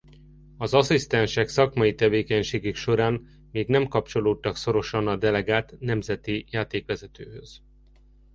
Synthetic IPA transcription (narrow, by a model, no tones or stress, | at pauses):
ɒzɒsist̪ɛnʃɛksɒkmɒjit̪ɛveːkɛɲʃeːɡykʃo̞ɾaːn | meːɡnɛmkɒpt͡ʃo̞loːt̪ːɒkso̞ɾo̞ʃɒnɒd̪ɛlɛɡaːt̪nɛmzɛt̪ijaːt̪eːkʋɛzɛt̪øːhøz̥